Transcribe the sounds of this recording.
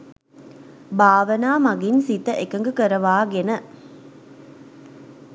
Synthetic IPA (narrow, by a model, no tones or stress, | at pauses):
baːʋənaːmaɡinsit̪əʔekəŋɡəkəɾəʋaːɡenə